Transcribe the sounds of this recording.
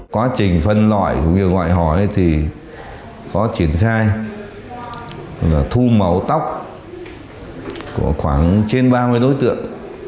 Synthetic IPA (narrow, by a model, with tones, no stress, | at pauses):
kwaː˨˦t͡ɕï˨˩ŋ̟fə˧nlwa̰ː˧˨jkʊ̰˧˥wŋ͡mɲɨ˧əŋwa̰ː˧˨jɦɔ˧˩jt̪ʰi˨˩ | xɔ˨˦t͡ɕi˧˩ənxaː˧j | laː˨˩t̪ʰu˧mə˨˩wt̪a˦˥wk͡p̚ | ku˧˩əxwaː˧˩ŋt͡ɕe˧nɓaː˧mɨ˧əjɗo˨˦jt̪ɨ̰˧˨əŋ